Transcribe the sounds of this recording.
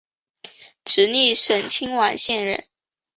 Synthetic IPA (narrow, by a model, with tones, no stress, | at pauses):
ʈ͡ʂɻ̩˧˥ni˥˩ʂə˨˩nt͡ɕʰi˥ŋwa˨˩nɕjɛ˥˧nɻə̰˥˩n